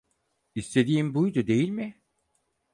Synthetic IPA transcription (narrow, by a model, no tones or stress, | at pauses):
ist̪ʰe̞d̪iːmbujd̪ud̪e̞jilʲmɪ